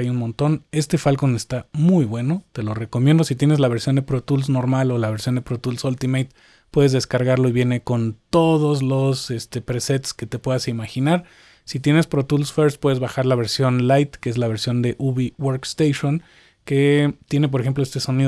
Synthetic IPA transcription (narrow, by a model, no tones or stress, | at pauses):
ajunmõ̞nt̪o̞ne̞st̪e̞falko̞ne̞st̪amujβwe̞no̞t̪e̞lo̞re̞ko̞mjend̪o̞sit̪je̞nezlaβ̞e̞ɾsjo̞nd̪epɾot̪uls̬no̞ɾmalo̞laβeɾsjo̞nd̪e̞pɾot̪ulsult̪imejt̪ | pwe̞ðe̞zðe̞skaɾɣaɾlo̞iβje̞ne̞ko̞nt̪o̞ðo̞zlo̞se̞st̪e̞pɾe̞se̞t̪ske̞t̪e̞pwe̞ðasimaxinaɾ | sit̪je̞ne̞spɾot̪ulsfeɾspwe̞ðe̞zβaxaɾlaβe̞ɾsjo̞nlajt̪keezlaβ̞e̞ɾsjo̞nd̪e̞ʔuβiwoɾkst̪ejʃon | ke̞t̪je̞ne̞p̬o̞ɾe̞xemploest̪eso̞nið